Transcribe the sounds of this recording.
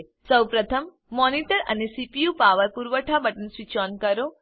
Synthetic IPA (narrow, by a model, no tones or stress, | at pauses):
səwpɾət̪ʰəmː | ɔniʈəɾə̰nesipijupaʋəɾpuɾʋəʈʰabəʈənsʋit͡ʃɔnkəɾo